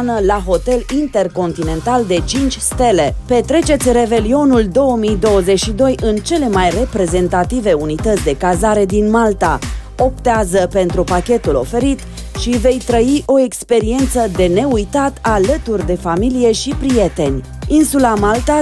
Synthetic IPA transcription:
nəlaɦo̞t̪e̞lint̪e̞rko̞nt̪ine̞nt̪ald̪e̞t͡ʃint͡ʃʲst̪e̞le̞pe̞t̪ɾe̞t͡ʃe̞t̪sʲre̞ve̞lio̞nuld̪o̞wəmijd̪o̞wəze̞t͡ʃʃid̪o̞jʔɨnt͡ʃe̞le̞majre̞pɾe̞ze̞nt̪at̪ive̞unit̪ət̪sʲd̪e̞kazaɾe̞d̪inmalt̪a | o̞pt̪eazəpe̞nt̪ɾupakʲe̞t̪ulo̞̰fe̞ɾit̪ | ʃive̞jt̪ɾəiʔo̞e̞kspe̞ɾie̞nt̪səd̪e̞ne̞ujt̪at̪alət̪urʲd̪e̞familije̞ʃipɾije̞t̪e̞nʲ | insulamalt̪a

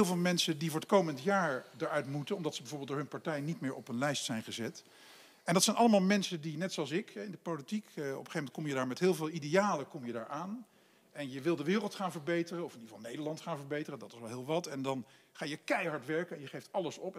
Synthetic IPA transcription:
lˠvɪːlˠmɛnsədivʊːɹət̚kowməntjaːɹdəɹœɥtmutənɔmdɑtsəbɛvʊːɹbeːlˠdʊːɹɦɵnpaɹtɛjnitmɪːɹɔpənlɛjstsɛjnχəzɛt | ɛndɑtsɛjnʔɑləmaːlˠmɛnsədinɛtsoɑlˠsɪkɛɪndəpolitikɔ̰pə̥χejfmɛnt̚kɔmjədaːɹmɛtɦɪːlˠvɪːlˠidejaːləkɔmjədaːɹʔaːn | ɛnjəʋɪlˠdəʋɪːrəlˠtχaːnvəɹbejtərəɔfɪnivɑlˠnejdəɹlɑntχaːnvəɹbejtərədɑtɪsʋɛlˠɦɪːlˠʋɑtɛndɑn | χaːjəkɛjɦɑɹtʋɛɹkənɛnjəχejftɑləsɔp

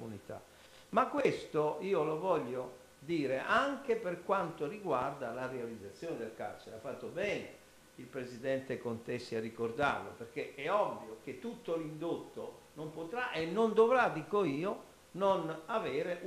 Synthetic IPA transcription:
unit̪a̰ | makːwest̪oiːolovɔʎːo | d̪iːɾeʔaŋk̟eperkwant̪oriɡward̪alarealid̪zːat̪sːjɔːned̪elka̰rt͡ʃeɾeafːat̪ːobɛːne | ilpɾezid̪ɛnt̪ekont̪esːiarːikord̪a̰rlo̰peɾk̟eɛɔbːiok̟et̪ːut̪ːolind̪ot̪ːo | nompot̪ɾaʔenːond̪ovɾad̪ikoiːo | nonavɛːɾe

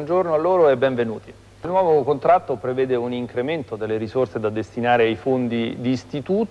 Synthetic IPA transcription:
nd͡ʒornoalːoːɾoɛbːɛɱvenuːt̪i | lnwɔːvokont̪ɾat̪ːopɾevɛːd̪euniŋkɾement̪od̪elːeɾisorsed̪ad̪est̪inaːɾeajfond̪id̪iːst̪it̪uːt̪

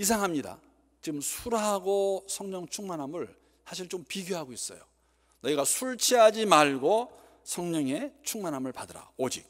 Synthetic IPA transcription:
is̬ʰaŋɦamɲida̰ | t͡ɕiɡɯmsʰuɾɦaɡosʰʌŋɲʌŋt͡ɕʰuŋmanɦamɯɭ | sʰaɕʰiɭt͡ɕompiɡjoɦaɡois͈ʌ̰jo̰ | nʌiɡasʰuɭt͡ɕʰiɦad͡ʑimaɭɡo | sʰʌŋɲʌŋe̞t͡ɕʰuŋmanɦamɯɭpadɯɾa̰od͡ʑik̚

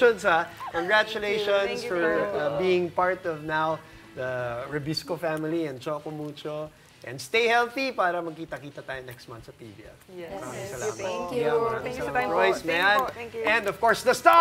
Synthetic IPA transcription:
ɔnsakɔ̃nɡɹat͡ʃʊleʃɔnsfɔɹbiːɪ̃ŋpaɹt̪ɔvnaw | d̪ɐɹɐbiskofæmɪliɛ̃nt͡ʃoːkomuːt͡ʃo | ʔɛ̃nd̪st̪ejhɛlθipaːɾɐmɐɡ̚kiːt̪ɐkiːt̪ɐt̪aːjonɛkst̪̚mɐ̰̃nsɐpḭbḭʔɛ̰famaɪ̃ssɐlamɐa | ɹɔjsmɛnʔɛ̃nd̪ɔv̥kɔɹsd̪ɐst̪a

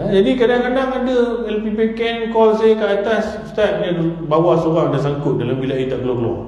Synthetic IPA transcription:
ad͡ʒadikadaŋkadaŋadəɛlpipekɛnkɔlsajəkəat̪as | st̪ap̪̚dadbawasoɣaŋadas̬aŋkʊt̪̚dalambilaʔit̪aʔkəlɔkəlɔ̰

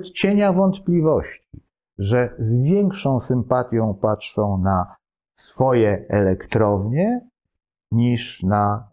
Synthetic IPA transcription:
t̪t͡ɕeɲavɔnt̪plʲivɔɕt͡ɕi | ʐɛzvʲjɛŋkʂɔ̃w̃sɘmpat̪ʲjɔ̃w̃patʂɔ̃w̃na | sfɔjɛɛlɛkt̪ɾɔvɲɛ | ɲiʂna

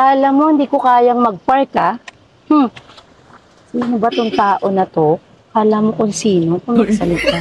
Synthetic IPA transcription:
alɐmːohɪnd̪ikokaːjɐŋmɐɡ̚pɐɹk̪ɐ | h̩ | siːnobɐt̪ʊŋt̪aːʔo̞nɐt̪o̞ | aɐlamːokʊŋsiːnokʊŋɐɡsɐlɪt̪a

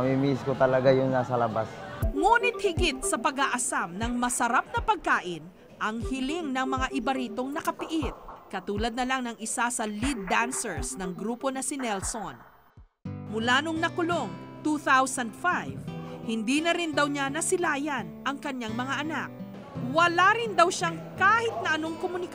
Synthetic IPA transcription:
mimiɪskot̪ɐlɐɡajʊŋnasɐlɐbasŋuːnɪt̪̚hɪɡɪt̪̚sɐpɐɡaʔɐsamnɐŋmɐsɐɾap̚nɐpɐɡ̚kaːʔɪn | ʔɐŋhɪlɪŋnɐŋmɐŋaʔɪbɐɾiːt̪o̞ŋnɐkɐpɪʔɪt̪̚kɐt̪uːlɐd̪̚nɐlaŋnɐŋɪsasɐlid̪̚ːansɛɹsnɐŋɡɾuːpo̞nɐsɪnɛlson | mʊlanoŋnɐkʊlo̞ŋt̪uθawsɐnd̪̚fajvhɪnd̪inɐɾɪnd̪ɐwɲanɐsɪlaːjɐnʔɐŋkɐɲːaŋmɐŋaʔɐnak̚ | wɐlaɾɪnd̪ɐwʃaŋkaːhɪt̪̚nɐʔɐno̞ŋkomʊnɪk

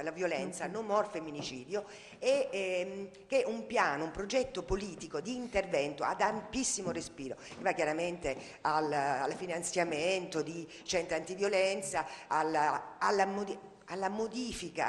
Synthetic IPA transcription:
alːavjolɛnt̪sanomːɔrfemːinit͡ʃiːd̪jo | e | k̟eʔumpjaːnoumpɾod͡ʒɛt̪ːopoliːt̪ikod̪iːnt̪ervɛnt̪o̰a̰d̪ampisːimorespiːɾok̟evakːjaɾament̪e | alalfinant̪sjament̪od̪i | t͡ʃɛnt̪ɾant̪ivjolɛnt̪saalaalːamo | alːamod̪iːfika̰

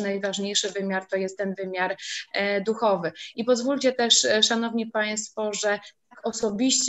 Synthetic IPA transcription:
najvaʐɲejʂɘvɘmʲjaɾt̪ɔjɛst̪ːɛnvɘmʲjaɾd̪uxɔvɘipɔzvulʲt͡ɕɛt̪ɛʂʂanɔvɲipaj̃s̬t̪fɔʐɛt̪akɔsɔbʲiɕt͡ɕ

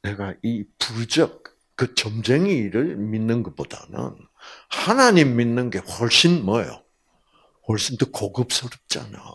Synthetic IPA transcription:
ne̞ɡaipud͡ʑʌk̚ː | ɯt͡ɕʌmd͡ʑe̞ŋiɾɯɭminːɯnɡʌpod̥a̰nɯ̰n | hanaɲimːinːɯnɡe̞hʌɭɕ͈inmʌjo̰ | hwʌɭɕ͈intokoɡɯp̚s͈ʌɾʌp̚t͡ɕ͈a̰na̰jo

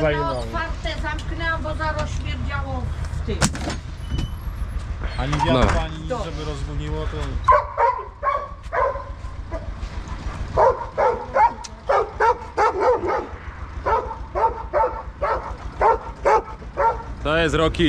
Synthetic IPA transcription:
zajɔɔt̪faɾt̪ɛzamknɛbɔzaɾɔɕmʲjɛɾd͡ʑawɔft̪ɪm | aɲivʲjanɔpaɲiʒɛbɨɾɔzvuɲiwɔt̪ɔ | t̪ɔɛzɾɔkʲi

